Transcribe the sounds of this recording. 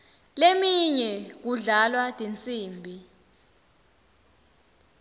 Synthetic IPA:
lemiɲɛk̬uɮalwad̥ʼʱint͡sʼiːmbʱi

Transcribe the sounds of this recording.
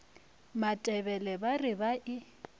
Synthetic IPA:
matʼɛbɛlɛbarɪbaʔɪ

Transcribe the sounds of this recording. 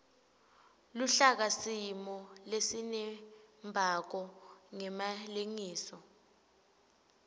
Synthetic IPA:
luɬak̬asimɔlesinɛmbʱak̬ɔŋɛmaleŋiːsɔ

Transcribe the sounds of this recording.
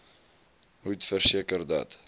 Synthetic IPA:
ɦutfərsiəkərd̪ɑ̰t

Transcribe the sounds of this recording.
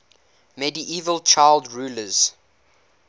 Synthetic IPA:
mɛdiʔiːvəlt͡ʃaɪlˠdɹuːləz̥

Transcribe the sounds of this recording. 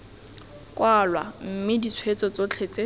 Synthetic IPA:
kʼwalwam̩mɪdit͡sʰwet͡sʼɔt͡sot͡ɬʰet͡sʼe

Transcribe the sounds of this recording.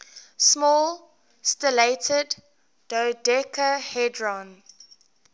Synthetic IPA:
smɔːl | stəleɪtʰədː | odɛkʰəhɛdɹɔ̃n

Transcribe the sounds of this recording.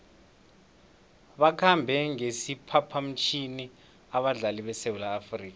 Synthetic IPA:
ɓakʰambʱɛŋesipʰapʰam̩t͡ʃʰini | aɓaɮaliɓɛsewulaːfriːk̬a

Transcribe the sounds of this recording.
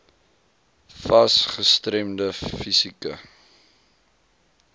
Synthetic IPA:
fɐsχəstɾɛmdəfisikə

